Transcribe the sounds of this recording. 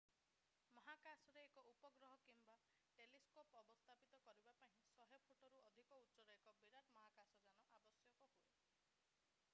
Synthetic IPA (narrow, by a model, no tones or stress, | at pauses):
mɔɦakasɔɾeːkɔupɔɡɾɔɦɔkimba | ʈeliskopɔbɔst̪ʰapit̪ɔkɔɾibapaɦĩsɔɦjɔpʰuʈɔɾuɔd̪ʱikɔutːsɔɾɔekɔbiɾaɾmɔɦakasɔd͡ʒanɔʔabɔsjɔkɔɦue